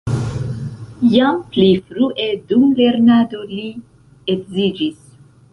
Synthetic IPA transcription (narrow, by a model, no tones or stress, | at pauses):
jamplifɾuʔe̞dumle̞ɾnado̞li | ekzid͡ʒis